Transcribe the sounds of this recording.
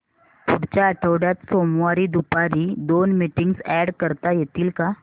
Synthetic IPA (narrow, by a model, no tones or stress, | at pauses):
p̪ʰʊɽt͡ʃaɐʈʰoːɽat̪soːmaːɾid̪upaɾid̪oːnmiʈɪ̃ŋɡsɛːɖkəɾt̪ajet̪iːlka